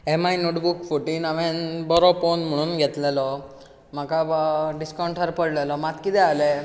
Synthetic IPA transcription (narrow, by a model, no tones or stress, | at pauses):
emajnoʈbukfʰuʈinaʋɛ̃nbɔɾɔponmuɽ̃unɡʱɛt̪lelɔ | makaɖiskawɳʈəɾpəɽlelɔmat̪̚kid̪ɛale